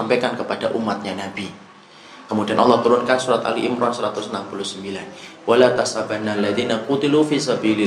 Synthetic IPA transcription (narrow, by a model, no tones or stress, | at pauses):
ampajkankəpadaʔumat̪̚ɲanabi | kəmudianʔɑlːɑht̪uɾʊnkansuɾat̪a̰liʔɪmɾɔnsəɾat̪ʊsənampulusəmbilanwʔalat̪asabanːalːaðinaqut̪ilufisabilɪ